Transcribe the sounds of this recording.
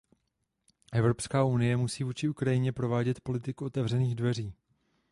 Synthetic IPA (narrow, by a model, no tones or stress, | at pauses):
ʔɛvɾo̞pskaːunɪjɛmusiːvuːt͡ʃɪukɾajɪɲɛpɾo̞vaːɟɛt̪po̞lɪt̪ɪkuo̞t̪ɛvr̝ɛniːɣdvɛr̝iː